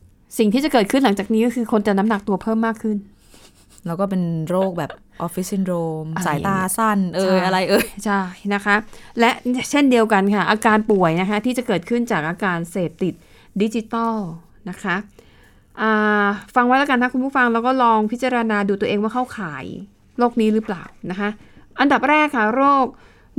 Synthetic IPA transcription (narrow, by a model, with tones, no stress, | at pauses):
si˨˩ŋt̪ʰiː˥˩t͡ɕa˨˩kɤː˨˩t̪̚kʰɯ˥˩nla˩˦ŋt͡ɕaː˨˩k̚niː˦˥kɔː˥˩kʰɯː˧kʰo˧nt͡ɕa˨˩na˦˥mna˨˩k̚t̪u˧ɐpʰɤː˥˩˨mːaː˥˩kʰːɯ˥˩n | lɛː˦˥wkɔː˥˩pe˧nɾoː˥˩k̚bɛː˨˩p̚ | ʔɔ˦˥fi˦˥si˧˥˩nɾoː˧msaː˩˨˦jt̪aː˧sa˥˩nʔɤː˧jʔa˧ɾa˧jʔɤː˧t͡ɕʰa˥˩jna˦˥kʰa˦˥lɛ˦˥ʔt͡ɕʰe˥˩ndi˧əwka˧nkʰa˥˩ʔaː˧kaː˧npu˨˩əjna˦˥kʰa˦˥t̪ʰiː˥˩t͡ɕa˨˩kɤː˨˩t̪̚kʰɯ˥˩nt͡ɕaː˨˩k̚ʔaː˧kaː˧nseː˨˩p̚t̪ːi˨˩t̪̚ | di˦˥t͡ɕi˧˦t̪ɔ˥˩ | na˦˥kʰa˦˥ | ʔaː˨˩fa˧ŋwa˦˥laː˦˥ka˧nt̪a˥˩ku˧npu˥˩fa˧ŋlɛː˦˥wkɔː˥˩lɔː˧ŋpʰi˦˥t͡ɕa˧ɾa˧naː˧duː˧t̪u˧əʔeː˧ŋwa˥˩kʰa˥˩wkʰaː˩˦j | ɾoː˥˩k̚niː˦˥ɾɯː˦˥plaː˨˩wna˦˥kʰa˦˥ʔʔa˧nda˨˩p̚ɾɛː˥˩kʰːa˥˩ɾoː˥˩k̚